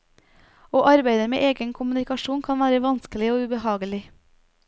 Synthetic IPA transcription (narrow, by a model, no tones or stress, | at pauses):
oːʔɑɾbeɪd̪əmḛːʔeːɡənkʰʊmʉnɪkɑʃuːnkʰɑnʋæːɾəʋɑnskəlɪoːʉbəhɑːɡəlɪ